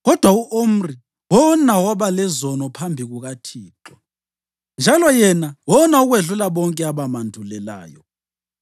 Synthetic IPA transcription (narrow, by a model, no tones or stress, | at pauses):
ɣɔd̥ʱwauʔom̩ri | wɔnawaβalɛzɔnɔpʰambʱiɣuɣatʰiːǃwa | nd͡ʒʱalɔjɛnawɔnauɣweɮulaβɔŋkʼɛaβamandʱulɛla̰ːjɔ̰